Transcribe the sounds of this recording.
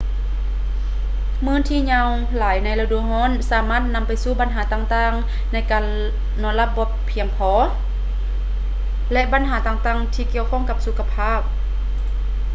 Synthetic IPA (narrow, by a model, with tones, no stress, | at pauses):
mɯː˧˥˨nt̪ʰiː˧˨ɲa˧w | laː˨˦jna˧˩jla˧du˧˩hɔː˧˥˨nsaː˨˦maː˧˥˨t̪̚na˧˥mpa˨jsuː˧˥˩ba˨nɦaː˨˦t̪aː˧˨ŋt̪aː˧˥˨ŋ | na˧˥˨jkaː˨nː | ɔː˧˦˨nla˧p̚bo˧˦ppʰːi˧˩əŋpʰɔː˨˦ | lɛ˧ʔba˨˦nɦaː˨˩˦t̪aː˧˩ŋt̪aː˧˩˨ŋt̪ʰiː˧ki˧˨əwkʰɔː˧˥˨ŋka˧p̚su˧˦kʰːa˧pʰaː˥˨p̚